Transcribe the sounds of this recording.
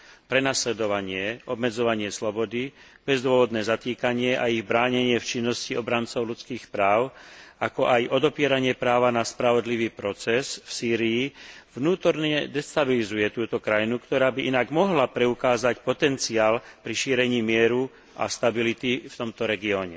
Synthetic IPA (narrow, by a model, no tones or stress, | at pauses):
pɾɛnaslɛd̪ɔʋaɲɪɛɔbmɛd͡zɔʋaɲɪɛslɔbɔd̪ib̥ɛzd̪ʊɔʋɔd̪nɛːzat̪iːkaɲɪɛʔaiɣbɾaːɲɛɲɪɛft͡ʃinːɔsciɔbɾant͡sɔʊlut͡skiːxpɾaːʊakɔʔajʔɔd̪ɔpɪɛɾaɲɪɛpɾaːʋanaspɾaʋɔd̪liʋiːpɾɔt͡sɛsfsiːɾijːvnuːt̪ɔɾɲɛd̪ɛst̪abilizujɛt̪uːt̪ɔkɾajinukt̪ɔɾaːbiʔinaɡmɔɦlapɾɛukaːzacpɔt̪ɛnt͡siaːlpɾiʃiːɾɛɲiːmɪɛɾu | ʔa̰st̪abilit̪ift̪ɔmt̪ɔɾɛɡiɔːɲɛ